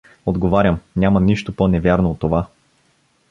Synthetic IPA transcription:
od̪ɡovaɾʲəmnʲamɐniʃt̪oponɛvjaɾnoːt̪ːova

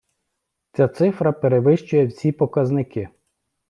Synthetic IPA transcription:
t͡sʲat̪sɪfɾɐpeɾeʋɪʃt͡ʃʊjɛwsʲipɔkɐznɪkɪ

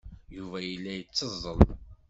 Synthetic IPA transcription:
juvæjəlːæjət͡sːəzˤːəl

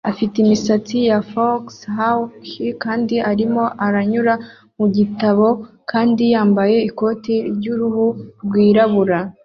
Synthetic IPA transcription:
afiteimisat͡sijafokshawkkaːndiʔaɾimo̞ʔaɾaɲuɾa | muɟitaβo̞ | kʰaːndijaːmbaje̞iko̞tiɟuɾuhuɾɡwiːɾaβuɾa

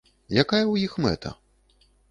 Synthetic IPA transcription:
jakajɐwjixmɛ̰t̪ʰɐ̰

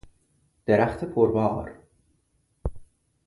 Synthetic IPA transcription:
d̥əɾɛχtəpʰoːrʋɑːr

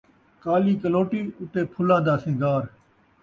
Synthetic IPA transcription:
kaːliːkəloːʈiːʊt̪eːpʰʊlãːd̪aːsɪ̃ːɡaːɾ

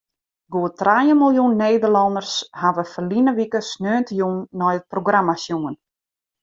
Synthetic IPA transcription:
ɡuətrajəmilˠjunːeːdərlɔndərshaʋəfəlinəʋikəsnøːntəjunːɔjət̚proɡramasjuŋən

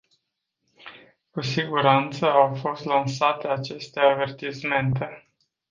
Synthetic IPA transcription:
kusiɡuɾant̪səawfo̞st̪lansat̪e̞at͡ʃe̞st̪e̞ave̞rt̪isme̞nt̪e̞

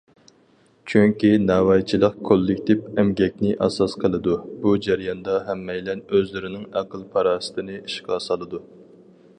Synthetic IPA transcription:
t͡ʃʰyŋkʲinɑwɑjt͡ʃʰilˠəqkʰolːɪkʲt̪ʰɪpɛmɡʲɛk̚ʲnɪʔɛsɑsqʰəlˠɨd̪ub̥ud͡ʒæɾijɑnd̪ɑɦɛmːɛjlɛnøzlɪɾɪnɪŋæqəlˠpʰɑɾɑːsɨ̥t̪ʰɨnɨiʃqɑːsɑlˠɨd̪u

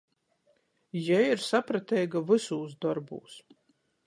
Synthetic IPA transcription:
jɛjiɾsapɾat̪ɛjɡavɨsuːsd̪ɔɾbṵːs

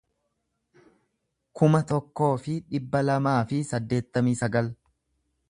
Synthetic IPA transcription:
kʊmɐt̪ɔkːo̞ːfɪᶑɪbːɐlɐmaːfɪsɐd̪ːe̞ːt̪ːɐmiːsɐɡɐl

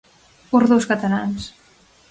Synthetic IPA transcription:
uɾðuskət̪alans

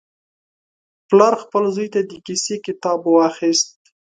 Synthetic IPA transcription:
plɑɾxpəlzujt̪ad̪əkisekɪt̪ɑbwɑxist̪̚

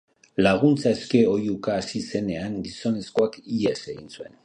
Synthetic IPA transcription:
laɣ̞unt͡saeske̞o̞jukaːsise̞ne̞aŋɡiso̞ne̞sko̞akiese̞ɣinsue̞̰n

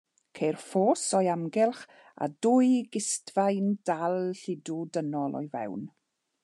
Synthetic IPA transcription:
kʰerfoːsɔjamɡɛlˠχ | a̰duːɨɡɪstvajndalˠɬɪdudənɔlˠʔɔ̰jvɛ̰wn

